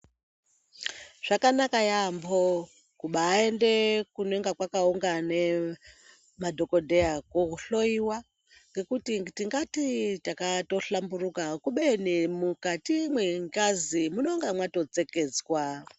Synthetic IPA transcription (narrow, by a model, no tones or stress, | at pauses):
ʐ̥akanakajambo | kuɓaːe̞ndekunoeŋɡakwakauŋɡane | madʱo̞ko̞dʱeakwokuɬo̞iwa | ŋɡe̞kutitiŋɡatitakato̞ɬamburukakuɓenimukatimweŋkazimunoŋɡamwato̞t͡seked͡zwa